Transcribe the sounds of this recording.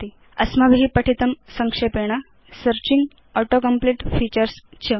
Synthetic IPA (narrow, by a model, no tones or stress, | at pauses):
t̪i | əsmabʱiːpɐʈʰit̪əmsəŋkʂepeɽ̃a | səɾt͡ɕiŋɡ | ɔʈokəmpliʈfiːt͡ɕəɾst͡ɕʰə